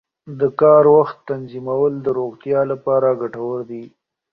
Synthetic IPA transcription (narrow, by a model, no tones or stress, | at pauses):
d̪əkɑɾwaxt̪ːanzimawəld̪əɾoɣt̪jɑlapɑɾaɡaʈawəɾd̪i